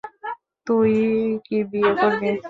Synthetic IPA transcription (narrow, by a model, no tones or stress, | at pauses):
t̪ujkibiekoɾbi